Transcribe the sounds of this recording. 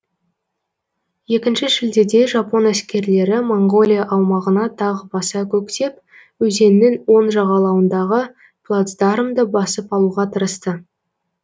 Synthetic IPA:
je̞kʲɪnʃɪʒɪld̪e̞d̪e̞ʒɑpo̞næskʲe̞ɾle̞ɾɪmoɴɡo̞lʲijaʔɑwmɑʁənɑt̪ʰɑʁəbɑsɑkʲʰɵkt̪e̞p̚ | wɵze̞nːɪnwo̞nʒɑʁɑlˠɑwənd̪ɑʁə | plˠat̪sd̪ɑɾəmd̪əbɑsəpɑlˠuʁɑt̪ʰəɾəst̪ə

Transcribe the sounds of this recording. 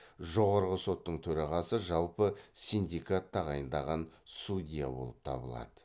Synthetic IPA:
ʒo̞ʁɑɾʁəso̞t̪ːəɴt̪ʰɵɾɑʁɑsəʒɑlˠpəsind̪ikat̪ːɑʁɑjənd̪ɑʁɑnsud̪ʲija̰bo̞̰lˠəp̚t̪ʰɑ̰bəlˠɑ̰d̪̥ə

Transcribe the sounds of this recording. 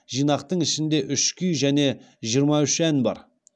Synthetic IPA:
ʒijnɑq̚t̪əɴɪʃɪnd̪e̞ʔʏʃkʲʰʏjʒæne̞ | ʒijəɾmɑʏʃænbɑ̰ɾ

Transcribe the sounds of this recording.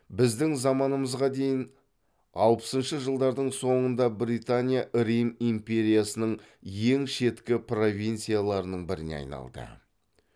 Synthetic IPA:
bɪzd̪ɪŋzɑmɑnəməzʁɑd̪e̞jɪn | ɑlˠpə̥sənʃəʒəlˠd̪ɑɾd̪əɴso̞ɴənd̪ɑbɾit̪anʲijaʔɾijmimpʲe̞ɾʲijasənəɴ | je̞ŋʃe̞t̪kʲɪpro̞vʲijnt̪sijalˠɑɾənəɴbɪɾɪ̰nḛɑ̰jnɑ̰lˠd̪ə̰

